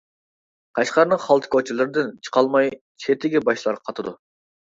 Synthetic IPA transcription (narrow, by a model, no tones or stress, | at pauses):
qʰɑʃqɑɾnəχɑlˠt̪ʰkʰot͡ʃʰilˠɨɾɨd̪ɨnt͡ʃʰə̥qʰɑlˠmɑj | t͡ʃʰet̪ʰɪɡʲɛbɑʃlˠɑɾqʰɑt̪ʰɨd̪u